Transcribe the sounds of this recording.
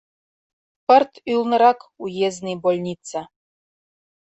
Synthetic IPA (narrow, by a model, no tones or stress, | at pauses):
pə̆rt̪ylˠnɤ̆ɾɑkujeznɨjbolʲnʲit̪t͡sa